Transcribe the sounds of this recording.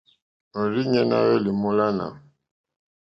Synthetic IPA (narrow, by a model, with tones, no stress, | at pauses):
ɔ˨ɾi˦ɲɛ˦na̰˦wɛ˦li˨mu˦la˦na̰˨m